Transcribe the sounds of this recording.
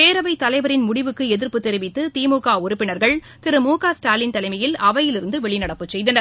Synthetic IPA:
peːɾɐʋɐɪt̪ɐlɐɪʋɐɾɪnmʊɽɪʋɯkːɯɛðɪɾpɯt̪ːɛɾɪʋɪt̪ːɯt̪iːmukaːʊɾʊpːɪnɐɾɣɐɭ | t̪ɪɾɯmuːkaːsʈaːlɪnt̪ɐlɐɪmɐjɪlɐʋɐjɪlɪɾɯnd̪ɯʋɛɭɪnɐɽɐpːɯt͡ʃɛjðɐnɐɾ

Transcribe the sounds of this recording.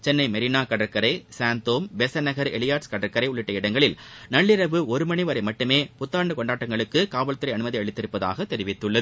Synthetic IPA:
t͡ʃɛnːɐɪmɐɾɪnaːkɐɽɐɾkːɐɾɐɪsaːnt̪oːmbɛsɐnɐɣɐɾɛ̰lɪjaːɾskɐɽɐɾkɐɾɐɪʊɭɪʈːɐɪɽɐŋɡɐɭɪlnɐɭːɪɾɐʋɯɔɾɯmɐɳiʋɐɾɐɪmɐʈːɯmeːpʊt̪ːaːɳɖɯkɔɳɖaːʈːɐŋɡɐɭɯkːɯkaːʋɐɭt̪ɯɾɐɪɐnɯmɐðiɐɭɪt̪ːɪɾɯpːɐða̰ːɣɐt̪ːɛɾɪʋɪt̪ːɯɭːɐð

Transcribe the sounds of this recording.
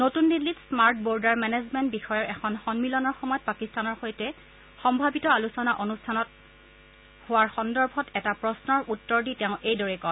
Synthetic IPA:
notundilːitsmaɹt̚bɔɹdaɹmɛnezmɛntbixɔjɔɹʔɛkʰɔnxɔnmilɔnɔɹxɔmɔjɔt̚pakistanɔɹxojtɛ | xɔmbʱabitɔalusɔnaʔonustʰanɔt̚ | hʊwaɹxɔndɔɹbʱɔtɛtapɹɔsnɔɹʔutːɔɹditɛʊ̃ʔejdɔɹɛkɔ

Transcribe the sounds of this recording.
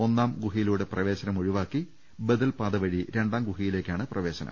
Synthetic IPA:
o̞nːaːmɡuɦijiluːɽe̞prɐʋe̞ːɕɐnɐmoɻiʋaːkːi | beðɐlpaːðɐʋɐɻiɾe̞ɳɖaːmɡuɦijile̞ːkʲːaːɳɨprɐʋe̞ːɕɐnɐ̰m

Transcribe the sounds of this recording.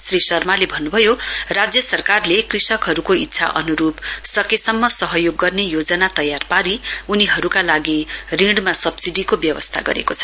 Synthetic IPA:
srisʌrmalebʱʌnːubʱʌjorad͡zjʌsʌrkarlekrisʌkɦʌɾukoit̪ːsʰa̰ʔʌ̰nuɾupsʌkesʌmːʌsʌɦʌjoɡːʌrnejod͡zʌnat̪ʌjarpaɾiuniɦʌɾukalaɡiriɽmasʌbsiɖikobjʌwʌ̰st̪ʰa̰ɡʌ̰ɾḛkot͡sʰʌ̥

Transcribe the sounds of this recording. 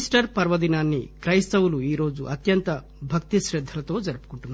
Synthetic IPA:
sʈɐɾpɐɾʋɐd̪inaːnːikɾɐjst̪ɐwuluiːɾo̞ːd͡ʒuʔɐt̪jɐnt̪ɐ | bʱɐkt̪iʃɾid̪ʱːɐlɐt̪o̞ːd͡ʒɐɾupu̥kuɳʈunːa

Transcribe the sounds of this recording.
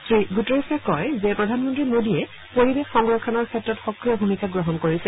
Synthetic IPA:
sɹiɡutɔɹisakɔjzɛpɹɔdʱanmɔntɹimodiɛ | poɹibexxɔŋɡɹɔkʰɔnɔɹkʰɛtɹɔtxɔkɹiɔbʱumikaɡɹoɦɔnkoɹisɛ

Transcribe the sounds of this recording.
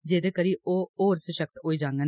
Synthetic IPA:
d͡ʒeːd̪eːkəɾiːʔoːoːɾseʃək̚t̪oːiːd͡ʒaːŋɡe

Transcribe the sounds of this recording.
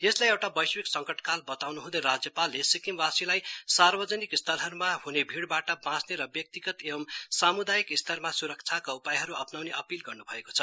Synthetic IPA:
jeslajewʈabʌjswiksʌŋkʌʈkalbʌt̪awnuɦũd̪ʌjɾad͡zjʌpalːesikimbasilajsarbʌd͡zʌnikist̪ʰʌlɦʌɾumaɦunebʱiɽbaʈʌbãsneɾʌbjʌk̚t̪iɡʌt̪ebʌmsamud̪ajikist̪ʰʌrmasuɾʌk̚t͡sʰakaupajɦʌɾuʌpnawneʔʌpilɡʌrnubʱʌeko̥t͡sʰʌ

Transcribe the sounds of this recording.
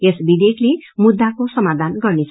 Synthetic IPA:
esbid̪eklemud̪ːakosʌmad̪ʱanɡʌrnet͡sʰ

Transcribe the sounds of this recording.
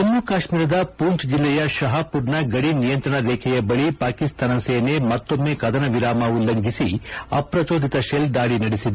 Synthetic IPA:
t̪ɐnːukaːʂmiːɾɐd̪ɐpuːɳʈd͡ʒilːɛjɐʃɐɦɐpuɾnɐɡɐɽinijɐnt̪ɾɐɳɐɾeːkʰɛjɐbɐɭipaːkist̪ʰaːnɐseːnemɐt̪ːo̞mːeːkɐd̪ʱɐnɐʋiɾaːmaʋulːɐŋɡʱisiɐ̰pɾɐt͡ʃoːd̪ʱit̪ɐʃelɖ̪aːɽinɐɽisid̪u

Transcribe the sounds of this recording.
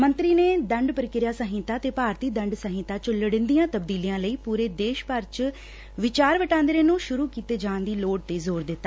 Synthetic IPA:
mə̃nt̪ɾiːneːd̪əɳɖpəɾɪkɪɾjaːsəɦɪ̃t̪aːt̪eːpaːɾt̪iːd̪əɳɖsəɦɪ̃ːt̪aːt͡ʃələɽɪ̃nd̪ijãːt̪əbd̪iːlijãːləiːpuːɾeːd̪eːʃpəɾt͡ʃ | ʋɪt͡ʃaːɾʋəʈãːnd̪ɾeːnũːʃʊɾuːkiːt̪eːd͡ʒãːnd̪iːloːɖ̚t̪eːzoːɾd̪ɪt̪ːaː

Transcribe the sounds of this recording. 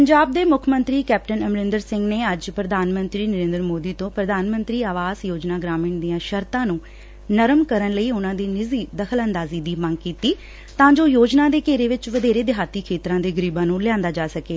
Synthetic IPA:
ppəɲd͡ʒaːb̚d̪eːmʊkʰmənt̪ɾiːkɛːp̚ʈənəmɾɪnd̪əɾsɪ̃ŋɡneːəd͡ʒpɾəd̪ʱaːnmə̃nt̪ɾiːnəɾẽːnd̪əɾmoːd̪iːt̪õːpɾəd̪ʱaːnmənt̪ɾiːaːʋaːzjoːd͡ʒnaːɡɾaːmɪːɳd̪ijãːʃəɾt̪ãːnũː | nəɾəmkəɾənləiːʊnãːd̪iːnɪziːd̪əkʰələnd̪aːziːd̪iːməŋɡkiːt̪iː | t̪ãːd͡ʒoːjoːd͡ʒnaːd̪eːkeːɾeːʋɪt͡ʃʋəd̪eːɾeːd̪ɪɦaːt̪iːkʰeːt̪ɾãːd̪eːɡəɾiːbãːnũːlɪãːnd̪aːd͡ʒaːsəkeː

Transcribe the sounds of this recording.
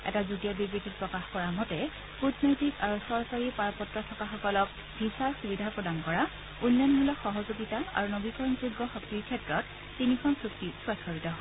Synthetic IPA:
ɛ̰tazuɡijabibɹititpɹɔkaxkɔɹamɔtɛ | putnɔjtikaɹusɔɹsaɹipaɹpɔtɹɔtʰɔkaxɔkɔlɔk̚ | b̥ʱisaɹxubidʱapɹɔdankɔɹa | unːɔnmulɔkxɔɦɔzuɡitaa̰ɹunobikɔɹɔnzuɡːɔxɔktiɹkʰɛtɹɔtː | inikʰɔnsuktiswɛskɔɹitɔɦɔ

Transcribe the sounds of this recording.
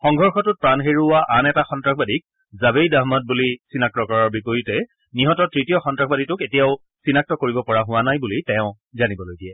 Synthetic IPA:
xɔŋɡʱɔɹxɔtʊt̚pɹanɦeɹuwaʔanɛtaxɔntɹakʰbadik̚ | zabejdaɦmɔt̚bulisinak̚tɔkɔɹɔɹbipojutɛ | niɦɔtɔtɹitijɔxɔntɹaxbaditʊketijaʊ | sinak̚tɔkoɹibɔpɔɹaɦʊwanajbulitɛ̃ʊ̃ | zanibɔlojɡijɛ

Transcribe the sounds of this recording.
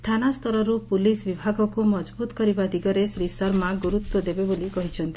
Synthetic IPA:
st̪ʰanast̪ɔɾɔɾupulisbibʱaɡɔkumɔd͡ʒbut̪ɔ̥kɔɾibad̪ʱiɡɔɾesɾisɔɾmaɡuɾut̪wɔd̪ebebolikɔɦit͡ʃʰɔnt̪i̥

